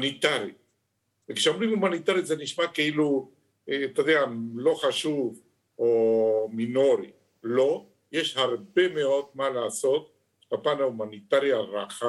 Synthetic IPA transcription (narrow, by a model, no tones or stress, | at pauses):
nit̪aɾit | vekʃeo̞mʁimumanit̪aɾit̪zeniʃmakeilu | eat̪ad̪ealo̞χaʃuv | omino̞ɾi | lo̞ | jeʃhaʁbe̞meo̞d̪̚malaːso̞t̪̚ | ʃpapanaumanit̪aʁjaʁaχa